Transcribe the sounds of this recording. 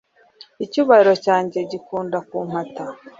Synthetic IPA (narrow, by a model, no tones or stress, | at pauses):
icuβaiɾo̞caːɲɟe̞ɟikuːndakuːm̥hata